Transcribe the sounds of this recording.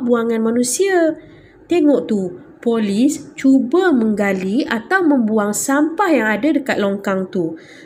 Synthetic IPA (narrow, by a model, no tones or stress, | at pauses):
buaŋãnmanũsia | t̪eŋɔʔt̪u | polist͡ʃubamə̃ŋɡaliat̪awmə̃mbuaŋsampahjaŋadadəkat̪̚lɔŋkaŋt̪u